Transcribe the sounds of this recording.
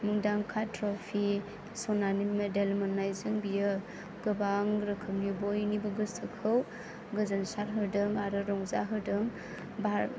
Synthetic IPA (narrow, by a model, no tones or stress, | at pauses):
muŋdaŋkʰatɾɔpʰi | sɔnanimedelmanajzɯŋbijɯ | ɡɯbaŋɾɯkʰɯmnibɔjnibɯɡɯstʰɯkʰɯw | ɡɯzansaɾɦɯdɯŋaɾɯɾɔŋzaɦɯdɯŋ | ba